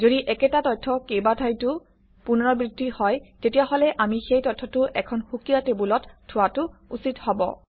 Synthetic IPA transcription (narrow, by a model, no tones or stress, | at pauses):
zodiʔɛkɛtatɔjtʰːɔkejbadʰʱajtʊ | punɔɹɔbɹidʱːihɔjtetijaɦɔlɛʔamixejtɔtʰːɔtʊʔɛkʰɔnxukijatebulɔtʰːʊwatʊusithɔbɔ̰